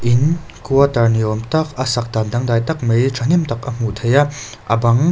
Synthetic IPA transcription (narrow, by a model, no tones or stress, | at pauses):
ʔin | kuɐt̪ɐɾniɔmt̪ɐkɐsɐk̚d̪and̪ɐŋd̪aːjt̪ɐk̚mejʈ͡ʂʰanimt̪ɐkɐm̥ut̪ʰɐjɐ | ʔɐ̰bɐŋ